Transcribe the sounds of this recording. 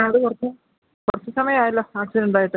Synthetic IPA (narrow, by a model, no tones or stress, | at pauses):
ɐðɨkurɐt͡ɕːɐ | kurɐt͡ɕːɐsɐmɐjɐmaːjilːɐaːksiɖuɳɖaːjiʈːɨ